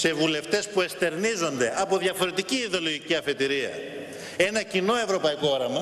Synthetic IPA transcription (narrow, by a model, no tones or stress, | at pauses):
se̞vule̞ft̪e̞spue̞st̪e̞ɾnizo̞nd̪e̞ʔɐpo̞ðjɐfo̞ɾe̞t̪iciːðo̞lo̞ʝiciɐfe̞t̪iɾiɐ̰ | e̞nɐcino̞e̞vɾo̞pɐiko̞o̞ɾɐmɐ